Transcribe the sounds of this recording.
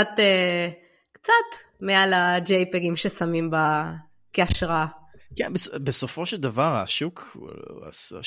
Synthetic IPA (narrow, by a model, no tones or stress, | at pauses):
at̪e | kt͡sat̪mealad͡ʒejpeɡimʃesamimba | keaʃʁakɛnbesbeso̞fo̞ʃeld̪avaʁa̰ʃuk | a̰